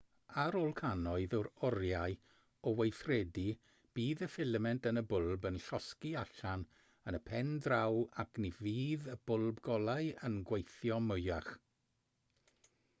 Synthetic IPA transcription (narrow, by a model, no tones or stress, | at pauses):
aɾoːlˠkʰanɔɨðʊɾɔɾjaɨ | ɔwejθrɛdi | b̥iːðəfɪləmɛntənəbʊlˠbənɬɔskiaɬan | ənəpʰɛndrawakʰniviːðəb̥ʊlˠbɡɔlˠaɨənɡwejθjɔmʊjaχ